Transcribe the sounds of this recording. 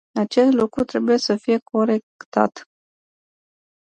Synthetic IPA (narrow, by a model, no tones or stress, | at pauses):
at͡ʃe̞st̪lukɾut̪ɾe̞buje̞səfije̞kʰo̞ɾe̞kt̪a̰t̪